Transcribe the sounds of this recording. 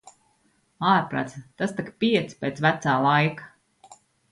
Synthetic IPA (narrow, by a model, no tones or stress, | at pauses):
aːɾpɾa̰t̪st̪ast̪akpʲiɛt̪spʲeːt̪svæt̪saːlˠajkḁ